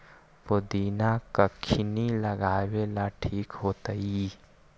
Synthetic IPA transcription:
ʋod̪iːnakəkʰːɪniləɡaːwelaʈʰiːkɦoːt̪əi

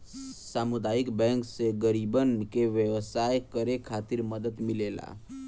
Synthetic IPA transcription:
samud̪aːjikbɛ̃ŋkseɡəɾibənkeʋjəʋəsajkəɾekʰat̪iɾməd̪ət̪mɪlela̰

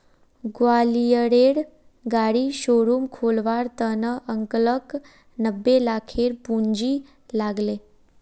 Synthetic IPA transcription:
ɡʋalijəɽeɽ | ɡaɽiːɕoɽuːmkʰolʋaɾt̪ənəʔəŋklək | nəbːelakʰeɾpuɲd͡ʑi | laɡle

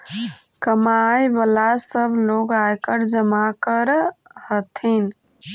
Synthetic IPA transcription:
kəmajbəlasəbʱloɡajkəɾd͡ʒəmakəɾhət̪ʰin

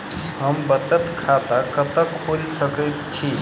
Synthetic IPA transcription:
ɦəmbət͡ʃət̪kʰat̪akət̪əkʰolsəkəjt̪̚t͡ʃʰi

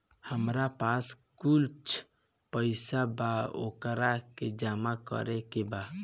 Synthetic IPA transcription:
həmɾapaskult͡ʃʰ | pəɪsabao̰kɾaked͡ʒamakə̰ɾɛkeba

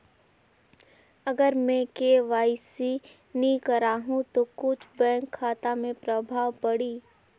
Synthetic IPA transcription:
ɐɡəɾmɛ̃keʋaːisi | nikəɾaːɦũt̪okʊt͡ʃʰbɛ̃ːŋkʰːaːt̪amẽpɾɐbʱaːʋpɐɽiː

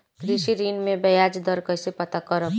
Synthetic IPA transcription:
kɾisiɾinmebəjad͡ʒd̪ʌɾkʌjsepʌt̪akʌɾʌp

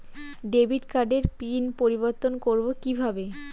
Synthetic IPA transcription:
ɖebʱiʈkaɾɖeɾpinpoɾiboɾt̪onkoɾbokibʱabe

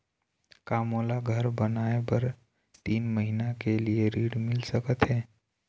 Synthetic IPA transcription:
kaːmolaɡʱəɾbənaːepəɾ | t̪iːnməɦinakelieɾiːɽmɪlsəkət̪ɦɛː

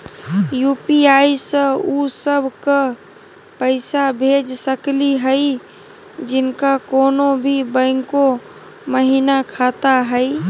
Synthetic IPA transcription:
jupiaisə̃usəbʱkə | pəɪsabʱed͡ʒsəkliɦəj | d͡ʒɪnkakonobʱibə̃ɪŋko | məɦinakʰat̪aɦəj

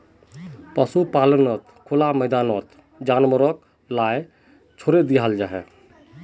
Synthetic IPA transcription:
pəsupalənɔt̪kʰolaməɪd̪anɔt̪ | d͡ʒanməɾɔk | laje | t͡ʃʰoɾed̪iɦald͡ʒaɦɛ̰

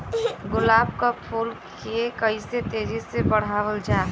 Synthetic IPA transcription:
ɡʊlaːbkapʰuːlk | ekəɪset̪eːɾisebəɽ̤aːʋəld͡ʒaː

